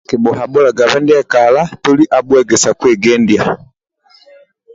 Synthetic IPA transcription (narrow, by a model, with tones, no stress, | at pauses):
ki˨bɔ˨ɦa˨bɔ˦la˨ɡa˨βɛ˦ndɛ˦ka˨la˦tu˦li˦ʔa˨bwɛɡɛ˨sa˨kwɛ˨ɡɛ˦ndja˨